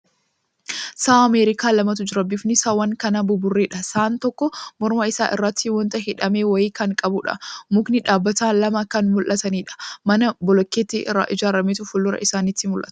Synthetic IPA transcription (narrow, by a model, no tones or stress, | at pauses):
saːɐmeːɾɪkaːlɐmɐt̪ʊd͡ʒɪɾɐbɪfnɪsawɐŋkɐnaːbʊbʊrːeːᶑɐsaːnt̪ɔkːɔmɔɾmɐɪsaːʔɪ̰rːɐt̪ːɪwɔnt̪ɐɦɪᶑɐme̞ːwɐɪkɐŋkʼɐbʊᶑɐ̰mʊknɪᶑaːbːɐt̪aːnlɐmɐkɐnmʊlʔɐt̪ɐniːᶑɐ̥mɐnɐbɔlɔkːeːt̪ːɪʔɪrːa̰ʔɪd͡ʒaːɾɐmeːt̪ʊfʊlːʊɾɐ̰ʔɪsaːnɪt̪ːɪmʊlʔɐ̰t̪ʊ̥